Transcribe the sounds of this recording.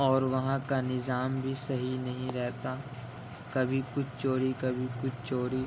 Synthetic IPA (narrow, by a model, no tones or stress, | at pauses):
ɔːɾʋɐɦãkanɪzaːmbʱisɐɦinɐɦĩɾɛɦt̪a | kɐbʱikʊt͡ʃʰt͡ʃoːɾikɐbʱikʊt͡ʃʰt͡ʃoːɾi